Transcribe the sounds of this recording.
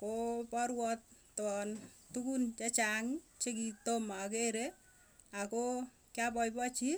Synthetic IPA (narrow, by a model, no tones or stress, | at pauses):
kopɔɾwɔt̪̚ | tɔntukunt͡ʃɛt͡ʃaŋt͡ʃekit̪omakeɾe | ako | kjapɔjpɔt͡ʃi